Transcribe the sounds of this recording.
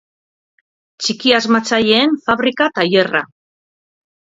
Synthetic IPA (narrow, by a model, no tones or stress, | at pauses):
t͡ʃikiazmat͡saʎe̞ːnfaβɾikat̪aje̞ra